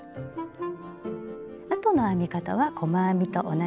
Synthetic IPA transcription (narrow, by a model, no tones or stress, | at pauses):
at̪o̞no̞amʲikat̪a̰βakʰo̞maːmʲit̪o̞ʔona